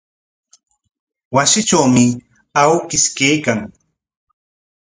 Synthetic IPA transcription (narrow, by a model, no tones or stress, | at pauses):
wasɪt͡ʃawmɪ | awkɪskejkaŋ